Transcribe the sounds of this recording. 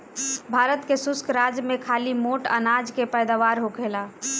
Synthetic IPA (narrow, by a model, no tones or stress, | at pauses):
bʱaːɾət̪kesʊskɾad͡ʒmekʰalimoʈə̰nad͡ʒkepəjd̪aʋaɾɦokela